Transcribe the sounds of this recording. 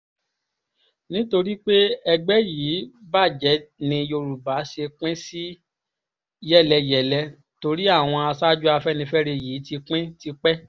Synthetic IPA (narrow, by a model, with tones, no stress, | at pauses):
nĩ˦to˧ɾi˦k͡pe˦ɛ˧ɡ͡bɛ˦jiː˨˦ba˦˨d͡ʒɛ˨˦nĩ˧jo˧ɾu˨ba˨˦ʃe˧k͡pɛ̃˦si˦ | jɛ˦˨lɛ˧jɛ˨lɛ˧ | to˧ɾi˦a˦˨w̃ɔ̃˧a˧sa˦d͡ʒu˦a˧fɛ˦nĩ˧fɛ˦ɾe˧jiː˨˦ti˧k͡pɛ̃˦ti˧k͡pɛ˦